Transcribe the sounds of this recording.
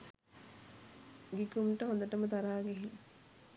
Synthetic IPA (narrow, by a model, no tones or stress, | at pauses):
ɡikumʈəɦond̪əʈəmət̪aɾaːɡeɦilɐ